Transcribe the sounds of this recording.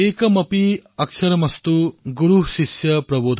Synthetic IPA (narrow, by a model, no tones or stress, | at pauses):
eːkɐmɐpiɐksʰɐɾmɐst̪uɡuɾuɦsisjɐpɾɐboːd̪ʱ